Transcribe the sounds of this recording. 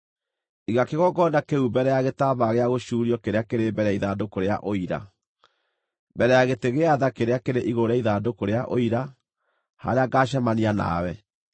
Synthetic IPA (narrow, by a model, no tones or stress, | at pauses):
iɣakeɣɔɡɔːndakeubɛɾɛjaɣetaːβaɣeaɣoɕuːɾijɔkeɾeakeɾebɛɾɛaiðaːdokoɾea̰ʔoiɾa̰ | bɛɾɛjaɣeteɣeaðakeɾeakeɾeʔiɣoɾaiðaːdokoɾeaʔoiɾa | ha̰ɾeaɡaːɕ̬amaniana̰wɛ